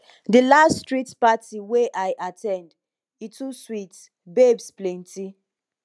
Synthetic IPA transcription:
dəlasstɹitpatiweʔajʔatʰɛ̃nd | itʰuswit | bebsplɛ̃ntʰi

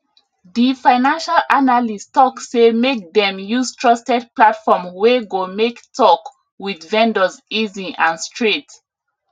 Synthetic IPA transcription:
ðifaɪnãnʃalʔanalistɔkssemek̚ðɛ̃mjuztʰɹɔstɛt̚platfɔmwɛɡomektʰɔk | widvɛ̃ndəziziʔãnstʰɹet

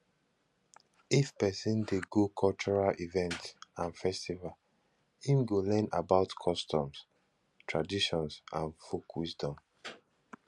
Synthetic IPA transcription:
ifpɛsĩndeɡokʰɔlt͡ʃɔɹalʔivɛ̃ntsãnfɛstival | hĩmɡolɛ̃na̰baʊtkʰɔstʰɔ̃ms | tʰɹadiʃɔ̃nsʔãnfokʰwisdɔ̃m

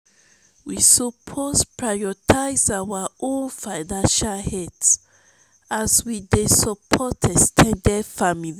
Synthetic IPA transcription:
wisɔpʰospɹajɔtʰaɪzawaõnfaɪnãnʃalhɛts | azwidesɔpʰɔtʰɛstʰɛ̃ndɛfamili

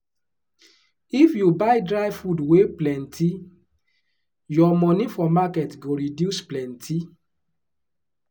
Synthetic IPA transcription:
ifjubajdɹaɪfudweplɛ̃ntʰi | jɔmɔ̃nĩfɔmakɛtɡoɹidjusplɛ̃ntʰi

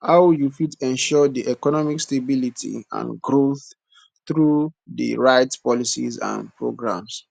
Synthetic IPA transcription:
haʊjufitɛ̃nʃɔdiʔɛkɔnɔmikstebilitʰḭã̰nɡɹoθ | θɹudə̰ɹaɪtspɔlisḭzã̰npɹo̰ɡɹã̰ms

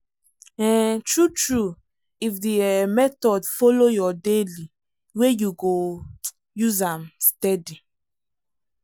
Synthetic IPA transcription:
ɛtɹutɹu | ifdimɛtɔdfolojɔdeli | wejuɡo | juzamstɛdi

